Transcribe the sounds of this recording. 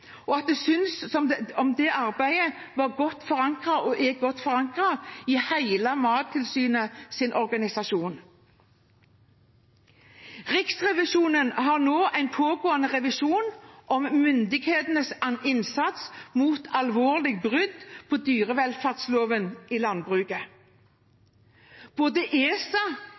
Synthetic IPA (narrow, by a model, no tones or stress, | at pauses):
ɔɑt̪̚d̪ɛsʏnssɔmɔmd̪ɛʔɑɾbæɪəʋɑːʁɡɔt̪ːfɔʁɑŋkʁɑɔʔɛɡɔt̪ːfɔʁɑŋkʁɑɪhæɪlɑmɑːt̪̚t̪ʰɪlsyːnəsɪnʔɔɾɡɑnɪsɑʃuːn | ʁɪksʁɛʋɪʃuːnənɦɑʁnoːʔæɪnpʰoːɡoːɑnəʁɛʋɪʃuːnʔɔmmʏnd̪ɪɡheːt̪nəsɑnɪnsɑt̪smuːt̪ʰɑlʋoːʁlɪɡ̚bʁʏd̪pʰoːd̪yːʁəʋɛlfæʁt̪sloːʋəniːlɑnbʁʉːɡə | b̥oːd̪əʔeːsɑ